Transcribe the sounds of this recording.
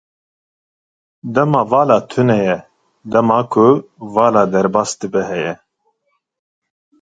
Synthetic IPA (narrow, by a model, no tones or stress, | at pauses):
d̪ɛmɑːvɑːlɑːt̪ʰunɛjɛ | d̪ɛmɑːkʰʊvɑːlɑːd̪ɛɾbɑːsd̪ɨbɛɦɛjɛ